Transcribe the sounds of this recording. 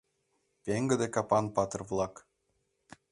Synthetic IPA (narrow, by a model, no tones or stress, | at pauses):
pʲeŋɡə̆d̪ekɑpɑnpɑt̪ɤrvlˠɑk